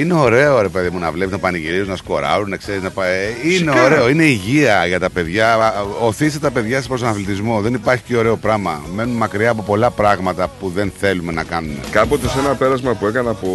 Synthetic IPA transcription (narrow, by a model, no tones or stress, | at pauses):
ine̞o̞ɾe̞o̞ɾe̞pe̞ðimunɐvlepsunɐpɐniʝiɾisunɐsko̞ɾɐ̰ɾune̞kse̞ɾiznɐpɐineoɾe̞o̞ine̞iʝiɐʝɐt̪ɐpe̞ðʝɐoθist̪ɐpe̞ðʝɐsepɾost̪̬oɐnɐflit̪izmo̞ðe̞nipɐɾçi̥ceo̞ɾe̞o̞pɾɐmɐme̞nunmɐkɾiɐːpo̞po̞lɐpɾɐɣmɐt̪ɐpuðe̞nθe̞lume̞nɐkɐnunḛkɐpo̞t̪e̞senɐpe̞ɾɐzmɐpue̞kɐnɐpo